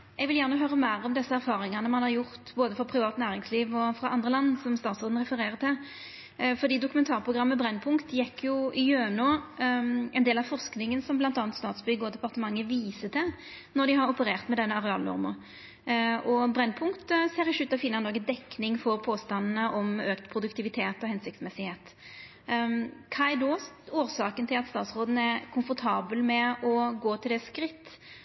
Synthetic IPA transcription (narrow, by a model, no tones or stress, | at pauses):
ɛɡʋɪljæʁnəɦøːɾəmæɪɾɔmd̪ɛsːəæɾfɑːʁɪŋɑnəmɑnhɑɾjʊʁt̪boːd̪əfɔɾpʰɾɪʋɑːt̪næːʁɪŋsliːʋɔfɾɑʔɑnd̪ʁəlɑnːsɔmst̪ɑːt̪sɔʁd̪n̩ʁɛfəɾeːʁət̪ʰɪl | fɔɾd̪iːd̪ʊkʉmɛnt̪ʰɑːʁpʰʁʊɡɾɑmːəbʁɛnːpʰʊŋkt̪jɛkʰːjʊʔɪjøːnoː | ɛnd̪eːlɑʋfɔʁsknɪŋənsɔmblɑnt̪ɑːnt̪st̪ɑːt̪sbʏɡəɔd̪ɛpɑʁt̪əmɑŋːəʋiːsət̪ʰɛ | nɔd̪ɪɦɑɾɔpəɾeːʁt̪mɛd̪ɛnːəɑʁɛɑlnɔ̰ʁmə̰ʁ | ʔɔbɾɛnːpʰʊŋkt̪əseːɾɪʃʉːt̪ːəɔfɪːnːɑnɔɡəd̪ɛkːnɪŋfɔɾpʰoːst̪ɑnnəʔɔmøːkt̪pʰɾʊd̪ʉkt̪ʰɪʋɪt̪ʰeːt̪ɔhɛnsɪk̚t̪smɛsɪheːt̪ | kʰɑɛɪd̪oːsoːɾsɑːkənt̪ʰɪlɑt̪st̪ɑːt̪sʁoːd̪n̩əɛkʰʊmfɔɾt̪ʰɑːbəlmɛɔɡoːt̪ʰɪld̪ɛskɾɪt̪ː